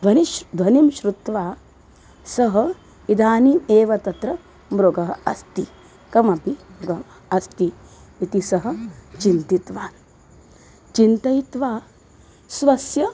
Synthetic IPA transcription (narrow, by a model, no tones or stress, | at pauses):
bʱɐnibʱɐnimʃɾut̪ʋaː | sɐɦɐ | id̪ʱaːnieːʋɐt̪ɐt̪ɾɐ | mɾoɡɐɦɐɐst̪i | kɐmɐpioɡɐ | ɐst̪i | it̪isɐɦɐ̆t͡ʃint̪it̪ʋaːn | t͡ʃint̪ɐjt̪ʋaː | sʋɐsjɐ